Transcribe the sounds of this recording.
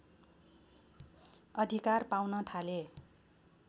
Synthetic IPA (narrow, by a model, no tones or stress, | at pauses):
ʌd̪ʱikarpawnʌt̪ʰale